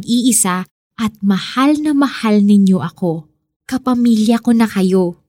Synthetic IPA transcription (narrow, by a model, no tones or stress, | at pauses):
ɡ̚ʔiːʔɪsa | ʔɐt̪̚mɐhalnɐmɐhalnɪɲjo̞ʔɐko̞ | kɐpɐmiːljɐko̞nɐkɐjo̞